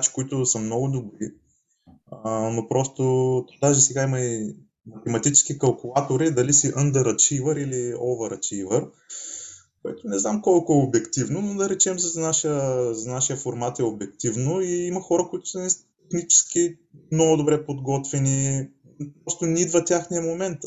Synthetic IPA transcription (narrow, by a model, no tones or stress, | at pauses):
at͡ʃi̥koit̪ʊsɐmnɔɡʊd̪obɾi | nopɾɔst̪ot̪d̪aʒɛsɛɡaimɐi | mɐt̪ɛmɐt̪it͡ʃɛ̥skikɐlˠkʊlˠat̪oɾid̪ɐlisiʔənd̪əɾɐt͡ʃivəɾiliɔvəɾɐt͡ʃivəɾ | koɛ̰t̪ʊnɛznamkɔlˠkʊɛobɛkt̪ivnonod̪ɐɾɛt͡ʃɛmsəznaʃəzɐnaʃijəfoɾmat̪ɛobɛkt̪ivnoiimɐxɔɾəkoit̪ʊ̥sɐnɛt̪ɛxnit͡ʃɛ̥sk̟i | mnɔɡʊd̪obɾɛpod̪ɡɔt̪vɛni | pɾɔst̪ʊnʲid̪vɐt̪ʲjaxnijəmomɛnt̪